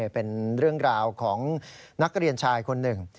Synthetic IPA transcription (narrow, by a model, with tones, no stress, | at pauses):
pe˧nɾɯ˥˩əŋɾaː˧wkʰɔː˩˦ŋna˦˥k̚ɾi˧ənt͡ɕʰaː˧jkʰo˧nːɯ˨˩ŋ